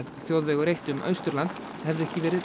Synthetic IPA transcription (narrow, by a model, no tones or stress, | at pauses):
ðθjowðvɛːɣʏɾejht̪ʏmʔœ̰ːɥst̪ʏɾlant̪ | hɛvðʏɛhcɪvɛːɾɪð